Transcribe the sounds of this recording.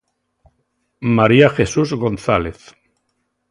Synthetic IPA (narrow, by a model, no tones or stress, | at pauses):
maɾiaxesuzɣo̞nθaleθ